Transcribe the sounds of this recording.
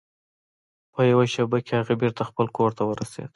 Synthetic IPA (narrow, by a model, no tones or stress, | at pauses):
pəjawaʃabakehaɣabeɾt̪axpəlkoɾt̪awəɾasḛd̪̥